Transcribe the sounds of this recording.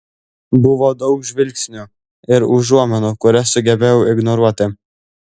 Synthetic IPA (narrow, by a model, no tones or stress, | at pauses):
bʊʋod̪ɒʊkʒʲʋʲɪlʲksʲnʲu | ɪɾʊʒuɔmʲɛnukʊɾʲɛsʊɡʲɛbʲeːjɛʊɪɡnɔɾuɔt̪ʲɪ